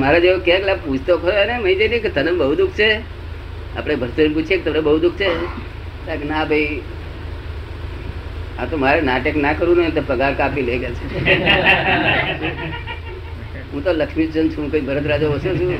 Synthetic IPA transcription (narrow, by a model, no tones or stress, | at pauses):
maɾad͡ʒeokaklaput͡ʃʰt̪okəɾoeneməĩd͡ʒeniẽket̪ənembəɦud̪ukʰt͡ʃʰe | a̰pɽebʱəɾt̪əɾinp̬ut͡ʃʰiek̚t̪əmnebəɦud̪ukʰt͡ʃʰe | t̪aknabʱəi | at̪omaɾenaʈəknakəɾũnət̪opəɡaɾkapileɡelt͡ʃʰe | ɦũt̪oləkʃmid͡ʒənt͡ʃʰũkəibʱəɾət̪ɾad͡ʒoəsot͡ʃʰũ